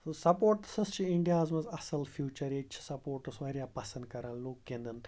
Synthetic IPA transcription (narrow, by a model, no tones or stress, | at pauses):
sɐpoːɾʈsɐst͡ʃʰiiɳɖijaːzmɐzɐsɐlfʰjuːt͡ʃɐɾeːt͡ʃʰi̥sɐpoːɾʈusʋɐɾjaːpɐsɐ̃nd̪̚kɐɾanloːkkẽnd̪ɐn